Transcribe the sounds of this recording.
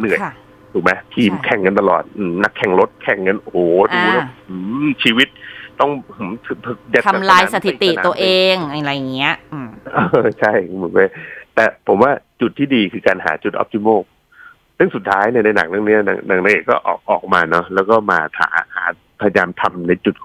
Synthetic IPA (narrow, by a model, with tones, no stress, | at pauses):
nɯ˨˩əj | t̪ʰuː˨˩ma˦jt̪ʰiː˧mkʰɛ˨˩ŋka˧nt̪a˧lɔ̰ː˨˩t̪̚ʔɯː˧˩na˦˥kʰːɛ˨˩ŋɾo˦˥t̪̚kʰɛ˨˩ŋka˧nʔo˧hoː˨˩tu˧˦˥ʔɯ˩˦t͡ɕʰiː˧wi˦˥t̪̚t̪ɔ˥˩ŋhɯ˩˦t̪ʰɯ˨˩p̚ʰːja˧˦˩a˧mlaː˧jsa˧t̪ʰi˨˦t̪i˨˧˩ʔna˧u˧ɐʔeː˧ŋa˧ɾa˧ja˨˩ŋi˦˥ɐʔɯː˧˩ʔɤː˧t͡ɕʰa˥˩jmɯ˨˩˦nma˦˥˩jt̪ɛː˨˩pʰo˩˦mwaː˥˩t͡ɕu˨˩t̪ʰːiː˥˩diː˧kʰɯː˧kaː˧nɦa̰ː˩˦t͡ɕu˨˩ʔɔ̰˦p̚t̪ʰi˧moː˥˩k̚ | sɯ˥˩ŋsu˨˩t̪ʰːaː˦˥jni˥˩na˧jna̰˨˩˦ŋna˧˩˨ŋni˦˥ɐna̰˨˧˩ŋna̰˨˩˦ŋna˧ŋʔeː˨˩kːɔ̰ː˥˩ʔɔ̰ː˨˩k̚ʔɔː˨˩k̚maː˧nɔ˦˥lɛː˦˥wkɔː˥˩maː˧t̪ʰa̰ː˩˦ha̰ː˩˦ | pʰa˧ja˧jaː˧mt̪ʰa˧mna˧jt͡ɕu˨˩t̪̚kʰ